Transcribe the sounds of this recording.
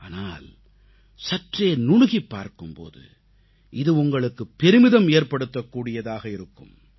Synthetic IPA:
aːnaːl | sɐʈreːnʊɻʊɣipːa̰ːɾkɯmpo̰ːðɯ̰ | ʔɪðɯʊŋɡɐɭɯkːɯpːɛɾɯmɪðɐmeːɾpɐɽɯt̪ːɐkːuːɽɪjɐðaːɣɐɪɾɯkːɯ̰m

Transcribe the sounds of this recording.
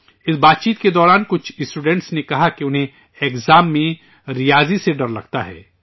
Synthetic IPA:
ɪsbaːt̪̚t͡ʃiːt̪ked̪ɔːɾaːnkʊt͡ʃʰɪsʈuːɖɛ̃ɳʈsnekɐɦakiʊnɦẽ | eːkzaːmːẽ | ɾijaːziseɖɐɾlɐɡt̪aɦɛ̰ː

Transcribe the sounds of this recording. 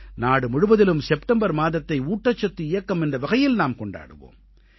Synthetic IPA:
naːɽɯmʊɻɯʋɐðɪlɯmsɛpʈɐmbɐɾmaːðɐt̪ːɐɪuːʈːɐt͡ʃːɐt̪ːɯɪjɐkːɐmɛndrɐʋɐɣɐjɪlnaːmkɔɳɖa̰ːɽɯ̰ʋo̰ːm

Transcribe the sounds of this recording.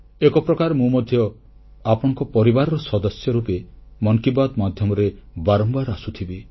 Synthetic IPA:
ekɔpɾɔkaɾmũmɔd̪ʱjɔ | apɔɽ̃ɔ̃ŋkɔpɔɾibaɾɔɾɔsɔd̪ɔsjɔɾupemɔŋkibad̪mad̪ʱjɔmɔɾebaɾɔmbaɾasut̪ʰibi

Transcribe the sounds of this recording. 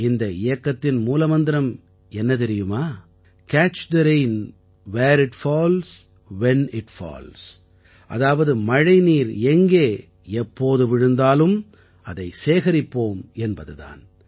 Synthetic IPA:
ɪnd̪ɐɪjɐkːɐt̪ːɪnmuːlɐmɐnd̪ɪɾɐm | ɛnːɐt̪̬ɛɾɪjɯmaː | kaːt͡ʃd̪ɐɾeɪn | ʋeːɾɪʈfoːls | ʋɛnɪʈfa̰ːls | ʔɐ̰ðaːʋɐðɯmɐɻɐɪniːɾɛŋɡeː | ɛpːoːðɯʋɪɻɯnd̪aːlɯm | ɐðɐɪseːɣɐɾɪpːoːmɛnbɐðɯða̰ːn

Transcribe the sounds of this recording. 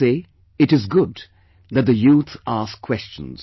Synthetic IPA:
eː | ɨʈɨzɡʊd | ðɨt̪̚d̪ɨjuːt̪askʰw̥ɛst͡ʃə̰̃n̩z̥

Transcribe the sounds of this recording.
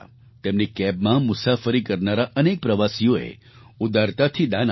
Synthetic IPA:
t̪emnikɛbmãmʊsafəɾikəɾnaɾaʔənek̚pɾəʋasijoḛ | ʊd̪aɾt̪at̪ʰid̪an

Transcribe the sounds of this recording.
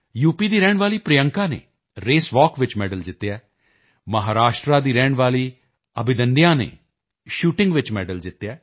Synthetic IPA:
juːpiːd̪iːɾɛːɳʋaːliːpɾejə̃ŋkãːnḛː | ɾeːsʋɔːkʋɪt͡ʃmɛːɖəld͡ʒɪt̪ːjɛː | məɦaːɾaːʃʈɾaːd̪iːɾɛːɳʋaːliː | əbɪd̪əndjãːnḛː | ʃuːʈɪ̃ŋɡʋɪt͡ʃmɛ̰ːɖəld͡ʒɪt̪ːjaː

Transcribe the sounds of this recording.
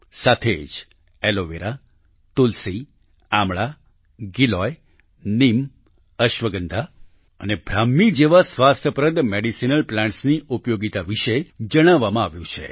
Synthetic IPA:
sat̪ʰed͡ʒ | eloʋeɾa | t̪ulsi | amɭa | ɡilɔj | nim | əʃʋəɡənd̪ʱa | ənebʱɾamːid͡ʒeʋasʋast̪ʰəpɾəd̪meɽisinəlplãɳʈsniʔupjoɡit̪aʋiʃed͡ʒəɽ̃aʋːamãaʋjũt͡ʃʰḛ

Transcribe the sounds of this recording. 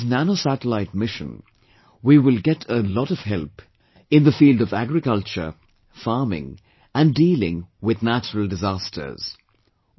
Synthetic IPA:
znænosæɾəlaɪt̚mɪʃə̰̃n | wiwɪlˠɡɛɾʰəlɔɾʌv̥hɛlˠp | ɪ̃nðəfiːldʌvæɡɹɨkʌlt͡ʃə̰˞ | fɑɹmɪ̰̃ŋ | ɨ̃ndiːlɪ̰̃ŋwɪðnæt͡ʃəɹəl̩ˠdɨzastʰə̰˞z̥

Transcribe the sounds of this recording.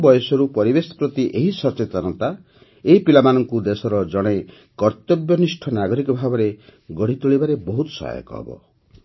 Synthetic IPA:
bɔjɔsɔɾupɔɾibesɔ̥pɾɔt̪iʔeɦisɔt͡ʃet̪ɔɾnɔnt̪a | eɦipilamanɔŋkud̪esɔɾɔd͡ʒɔɽ̃e | kɔɾt̪jɔbjɔnisʈʰɔnaɡɔɾikɔbʱabɔɾeɡɔɽ̤it̪uɭibaɾebɔɦut̪ɔ̥sɔ̰a̰jɔ̰kɔ̰ɦɔ̰bɔ̰

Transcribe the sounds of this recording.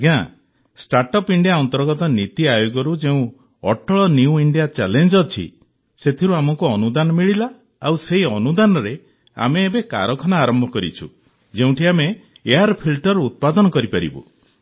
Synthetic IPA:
ɡã | sʈaɾʈɔpiɳɖijaɔnt̪ɔɾɡɔt̪ɔnit̪iajoɡɔɾud͡ʒeũ | ɔ̰ʈʰɔɭɔniuiɳɖijat͡ʃalend͡ʒɔt͡ʃʰḭ | set̪ʰiɾuamɔkuɔnud̪anɔmiɭila | awseɦiɔnud̪anɔɾe | a̰meːbeka̰ɾɔkʰɔnaːɾɔmbʱɔkɔɾḭt͡ʃʰṵ | d͡ʒeũʈʰiameː | aɾpʰilʈɔɾut̪̚pad̪ɔnɔkɔɾipaɾḭbṵ

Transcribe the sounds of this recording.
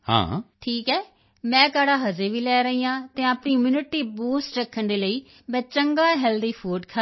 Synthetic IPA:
hã̰ːʈʰiːkɛː | mɛ̃ːkaːɽaːɦəd͡ʒeːʋiːlɛːɾəiːãːt̪ɛ̃ːəpɳiːmuːnɪʈiːbuːsʈɾəkʰːəɳd̪eːləiː | mɛ̃ːt͡ʃəŋɡaːɦɛːld̪iːpʰuːɖkʰa

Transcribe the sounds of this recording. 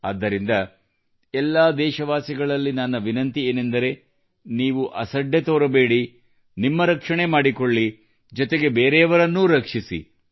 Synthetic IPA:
ɐ̰d̪ːɐɾind̪ɐ | ɛlːaːd̪ɛːʃɐʋaːsiɡɐɭɐlːinɐnːɐʋinɐnt̪ieːnend̪ɐɾe̞ | niːʋuʔɐsɐɖːet̪oːɾɐbe̞ːɽi | nimːɐɾɐkʂɐɳe̞maːɽikoɭːi | d͡ʒɔt̪e̞ɡe̞beːɾeɐʋɐɾɐnːuɾɐkʂisḭ

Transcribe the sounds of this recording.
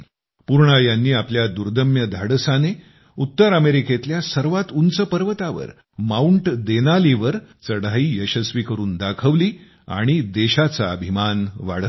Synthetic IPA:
puɾɳəjanːiːapljad̪uɾd̪əmjəd̪ʱaɽsane | ut̪ːəɾəmeɾiket̪ljasəɾʋat̪unt͡səpəɾʋət̪aʋə̰ɾ | mauɳʈd̪enaliʋəɾt͡səɽaiːjəɕəsʋikəɾuːnd̪akʰəʋliː | a̰ɽ̃id̪eɕat͡sa̰əbʱimanʋa̰ɽ̤ə

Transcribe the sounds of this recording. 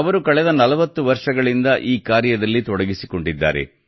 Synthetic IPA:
ɐʋɐɾukɐɭɛd̪ɐnɐlɐʋɐt̪ːuʋɐɾʂɐɡɐɭind̪ɐʔiːkaːɾjɐd̪ɐlːit̪ɔɽɐɡisikoɳɖid̪ːa̰ːɾḛ

